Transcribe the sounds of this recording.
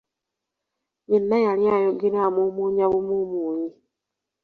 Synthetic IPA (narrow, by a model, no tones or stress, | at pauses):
ɲinːajaljajoɡiɾeamumuːɲaβumumuːɲi